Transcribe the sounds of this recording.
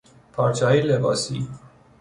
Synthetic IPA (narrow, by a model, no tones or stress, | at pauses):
pʰɒːɾt͡ʃʰɑːilebɒːsiː